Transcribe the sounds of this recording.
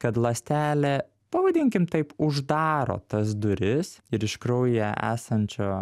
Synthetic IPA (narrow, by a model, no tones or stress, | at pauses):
kɐt̪lˠɐsʲt̪ʲæːlʲɛː | pɐʋɐd̪ʲɪŋʲkʲɪmt̪ɐɪpʊʒd̪ɑːɾo̰ːt̪ɐs̬d̪ʊɾʲɪsɪɾɪʃkɾɐʊjjɛʔæ̰ːsɐnʲt͡ʃʲoː